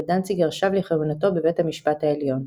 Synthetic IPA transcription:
dant͡siɡeʁʃavleχevunato̞bevethamiʃpathaeljo̞n

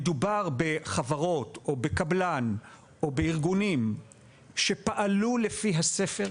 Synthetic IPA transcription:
dubaʁbe̞χavaʁo̞to̞be̞kablan | ʔobeiʁɡunim | ʃe̞paʔalulefiɦase̞feʁ

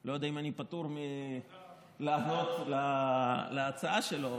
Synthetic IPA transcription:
lo̞jod̪aimanipat̪uʁme | laːno̞t̪lalaːt͡saaʃelo̞

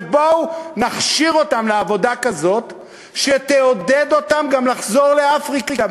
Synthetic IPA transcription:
bonaχʃiʁo̞tamleavo̞dakazo̞t̪ | ʃet̪eoded̪o̞tamɡamlaχzo̞ʁle̞afʁiki

